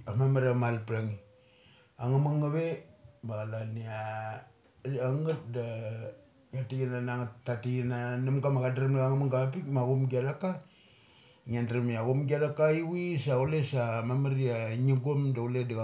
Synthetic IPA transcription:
amamaɾamalpɾaŋi | aŋamaŋaβemaɣalania | aŋɡat̚da | atiɡinanaŋatːatiɡinanamɡamaɣadɾamaaŋamaŋɡap̬ikmaɡumɡialaka | ŋandɾamiaɡumɡialakaiwisaulesamamaɾiaɲiɡomdauledaɣa

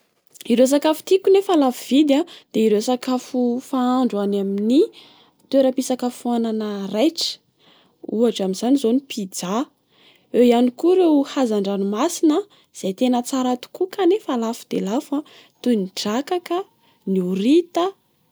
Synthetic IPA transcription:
iɾes̬akafu̥t̪ikunefalafuv̥id̪ad̪̥eiɾesakafufaaɳɖ͡ʐuanamini | t̪weɾəpisakafuananərajʈ͡ʂə̥ | uaʈ͡ʂaminz̥anizonipʰid͡za | ewianikuɾewhazaɳɖ͡ʐanumasinə | z̥ajt̪enət͡saɾat̪u̥kukanefalafu̥d̪̥elafa | t̪uniɖ͡ʐakakə | niuɾit̪ə

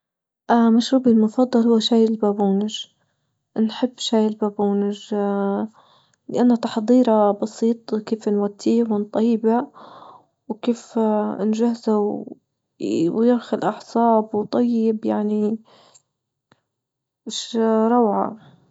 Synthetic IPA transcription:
ʔamaʃɾuːbilmʊfɑd̪ˤːɑlhʊwːaʃaːjɪlbaːbuːnɪʒ | nħɪbːʃaːjɪlbaːbuːnɪʒ | lɪʔanːat̪ɑ̥ħd̪ˤiːɾɑbɑsiːt̪ˤkeːfnwat̪ʰːiːwɪnt̪ˤɑjːba | wkeːfnʒahzaw | wjɪɾxʊlʔɑħsˤɑːbwt̪ˤɑjːɪbjaʕni | mɪʃɾˤɑwʕa̰

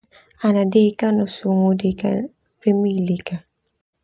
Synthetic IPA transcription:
anadekanosuŋodeka̰ | pemilika

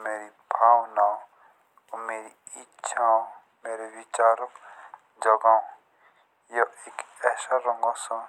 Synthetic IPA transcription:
meːɾi | bʱaːwnaːo | omeːɾi | itːʃʰao | meːɾeʋit͡ʃaːɾək | d͡ʒəɡaːõ | joeːkɛːsaɾə̃ŋɡɔsã

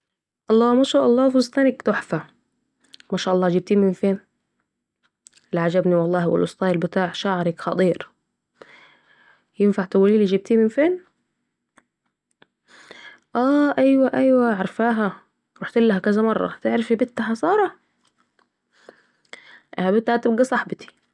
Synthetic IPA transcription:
ʔɑlˤːɑːmæːʃaːʔɑlˤːɑːfuzˤt̪æːnɪkt̪oħfæ | mæʃaːʔɑlˤːɑːd͡ʒiːb̚t̪iːmɪnfeːn | ɪlʕad͡ʒæbniwɑlˤːɑːhwɪ̰lʔosˤt̪ˤɑːjlbɪt̪aːʕʃaʕɾɑkxɑt̪ˤiːɾ | jɪnfaʕt̪æwæliːlid͡ʒiːb̚t̪iːmɪnfeːn | ʔæːʔæjwæʔæjwæʕɑɾˤfaːɦæ | ɾuħt̪ɪlːæhækæzæmɑrˤːɑ̰t̪ɪʕɾæfibɪt̪ːaħɑsˤɑːɾˤɑ | ʔhæbɪt̪ːahæt̪ɪb̚ɡæsˤɑħbɪt̪i̥

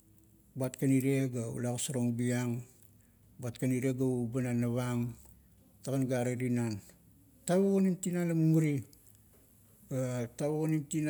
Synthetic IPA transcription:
batkaniɾeɡaṵlakasaɾoŋbiaŋ | bat̚kaniɾeɡaubananːaβaŋ | takanɡaɾaɾinan | taβokonintinanlamumuɾi | ataβokonimtin

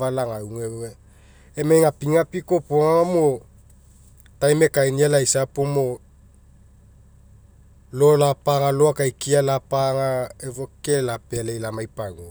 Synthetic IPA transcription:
valaŋauŋeoe | emejŋapiŋapikopoŋaŋomo | tajmekajnielaisapomo | lolapaŋaloakajkialapaŋaevokelapelejlamajpaŋo

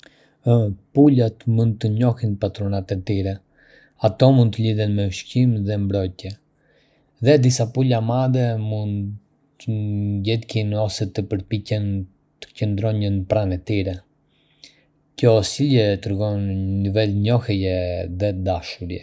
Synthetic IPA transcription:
pulat̪mund̪̚t̪əɲɔhinpat̪ɾɔnat̪ɛt̪iɾɛ | at̪ɔmund̪t̪əliðɛnmɛʃcimðɛmbɾɔjt̪jɛ | ðɛd̪isapulamad̪ɛmund̪ | ɟɛd̪kinɔsɛt̪əpəɾpicɛn | t̪ə̥cənd̪ɾɔnənpɾanɛt̪iɾɛ | cɔsilɛt̪ɾɛɡɔnːivɛlɲɔhɛjɛðɛd̪aʃuɾjɛ

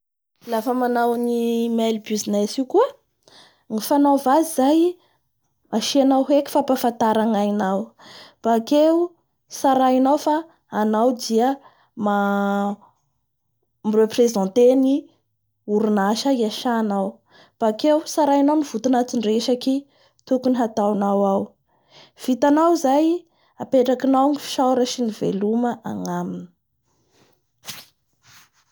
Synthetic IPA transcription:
lafəmanawnimɛlibyzinɛsikuə | ŋifanawvazizaj | maʃianawɦekʲi̥fapafant̪aɾaŋainawb̥akeu | saɾainawfaː | nawd̪iə | ma | mireprezɑ̃nt̪eni | uɾunaʃəiaʃanaw | b̥akewsaɾainawniv̥ut̪unat͡siɳreʃaki | t̪ukuniɦat̪awnawaw | v̥it̪anawizaj | apeʈ͡ʂakinawŋifi̥ʃawɾəʃinivḛluməʔaŋamini̥

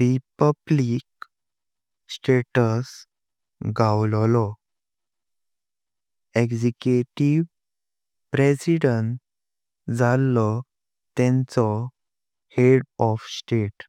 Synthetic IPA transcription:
ɾipəblik | sʈeʈəs | ɡawlɔlɔ | eɡd͡ʑekjuʈiʋ | pɾesiɽəɳʈ | d͡zalːɔ | t̪ɛ̃nt͡sɔ | heɽɔfsʈeʈ

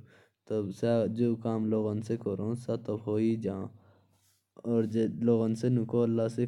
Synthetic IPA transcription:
t̪osad͡ʒoːkaːmloːɣənsekoɾõːsat̪obɦoːid͡ʒãː | ɔːɾloːɣənsenukoəlːaːse

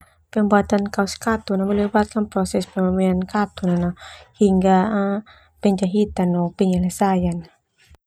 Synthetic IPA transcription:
penbat̪ankawskat̪ːunamalɯbat̪̚kʰanpɾɔsespeaminkat̪ːunanahiŋɡaa | pent͡ʃaɦit̪ːanɔpenalasajana

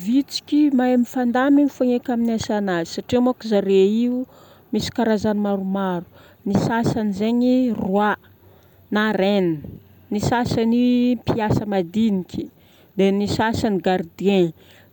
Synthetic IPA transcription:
vit͡si̥kʲimaemifand̪amimifaŋekʲaminiasanazi̥saʈ͡ʂimakuzaɾeiu | misi̥kaɾazanimaɾumaɾu̥ | nisasanizeɲirwa | naɾeni | nisasanipiasəmad̪inikʰʲi̥ | d̪enisasaniɡaɾd̪iẽ

